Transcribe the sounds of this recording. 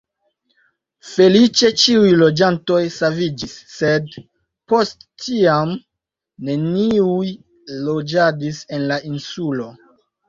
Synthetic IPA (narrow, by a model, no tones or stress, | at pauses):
fe̞lit͡ʃe̞t͡ʃiujlo̞d͡ʒanto̞jsavid͡ʒisːe̞d | po̞stːiam | ne̞niuj | lo̞d͡ʒadise̞nlainsulo̞